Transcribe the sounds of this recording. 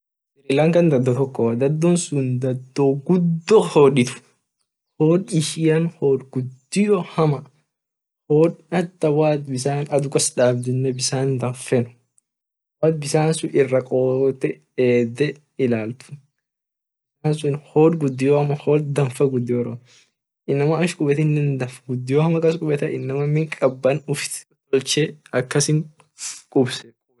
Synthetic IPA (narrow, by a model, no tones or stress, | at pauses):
ɪɾiːlɐŋkɐnd̪ɐd̪ːɔt̪ɔkːɔwɐd̪ɐd̪ːɔnsʊnd̪ɐd̪ːoɡʊd̪ːɔhoːᶑɪt̪ʊ̥ | hoːᶑɪʃɪjɐnhoːɾɡʊd̪ːɪjɔhɐmɐ | hoːᶑɐt̪ːɐwaːt̪bɪsaːnɐd̪ʊkɔsᶑaːbd̪ʊnːɛbɪsaːnd̪ɐɱfɛnʊ̥ | waːt̪̚bɪsaːnsʊɪrːɐkʼoːt̪ɛ | eːd̪ɛ | ɪlaːlt̪ʊ̥ | bɪsaːnsʊnhoːᶑɡʊd̪ːɪjoːɐmɐhoːdd̪ɐɱfɐɡʊd̪ːɪjoɾo | ɪnːɐmɐɐʃkʼʊbɛt̪ɪnːɛnd̪ɐfɐɡʊd̪ːɪjoːɐmɐkɐskʼʊbɛt̪ɐʔɪnːɐmɐmɪŋkʼɐbːɐnʊft̪ʼɔlt͡ʃeɐkːɐsɪŋ | kʼʊbsɛkʼʊb